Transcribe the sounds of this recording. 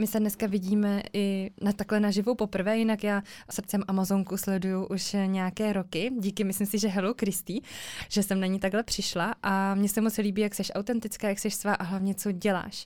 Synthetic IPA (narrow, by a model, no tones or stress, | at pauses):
mɪsɛdnɛskavɪɟiːmɛʔɪnat̪aklɛnaʒɪvowpo̞pr̩vɛːjɪnakjaːsr̩tt͡sɛmʔamazoŋkuslɛdujuʔuʃɲɛjakɛːɾokɪɟiːkɪmɪslimsɪʒɛɦɛlokɾɪst̪iːʒ̥ɛsɛmnaɲiːt̪aɡɦlɛpr̥ɪʃlaʔamɲɛsɛmot͡sliːbiːjaksɛʃʔawt̪ɛnt̪ɪt͡skaːjaksɛʃsvaːʔaɦlavɲɛt͡soɟɛla̰ːʃ